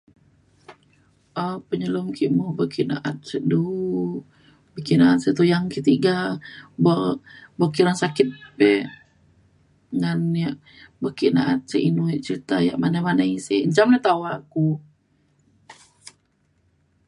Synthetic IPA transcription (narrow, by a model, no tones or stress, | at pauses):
əpəɲəlumkiʔmubəkiʔna̰ʔat̪̚sədu | bəkiʔnaʔat̪̚sət̪ujaŋkiʔt̪iɡababokiɾaŋsakɪt̪̚pɛ | ŋanjaʔ | bəkiʔnaʔat̪̚səʔinuit͡ʃəɾit̪aja̰ʔmanamanaisiəɲt͡ʃamnat̪awaku